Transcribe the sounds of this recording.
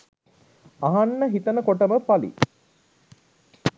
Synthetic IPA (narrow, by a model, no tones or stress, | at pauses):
ɐɦanːəɦit̪ənəkoʈəməpalḭ